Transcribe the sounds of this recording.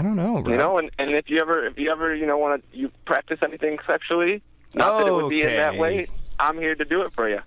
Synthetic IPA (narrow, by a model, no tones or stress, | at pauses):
dõʊ̃nːoʊjɨnoʊə̃nɨ̃nɨfjɨɛvə˞ɪfjɨɛvə˞jɨnoʊwɑ̃nɨjɨpʰɹ̥æk̚tɨsɛniθɪ̃ŋsɛk̚t͡ʃʉl̩ˠi | nət̪ðɨɾɨt̚wɨd̚biɨ̃nðɨʔ̚weɪʔãɪ̃mhiɹɾɨdɨɪtfə˞jʉ